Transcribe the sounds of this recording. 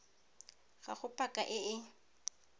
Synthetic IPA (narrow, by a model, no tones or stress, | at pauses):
ɣa̰χʊpʼakʼaʔɪɪ